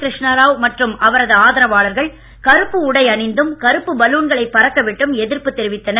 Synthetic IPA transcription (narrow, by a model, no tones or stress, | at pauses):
kɾɪʂɳɐɾaːʋmɐʈrɯmɐʋɐɾɐðɯaːðɐɾɐʋaːɭɐɾɣɐɭ | kɐɾɯpːɯʊɽɐɪɐɳɪnd̪ɯmkɐɾɯpːɯbɐluːɳɡɐɭɐɪpːɐɾɐkːɐʋɪʈːɯmɛðɪɾpɯt̪ːɛɾɪʋɪt̪ːɐnɐ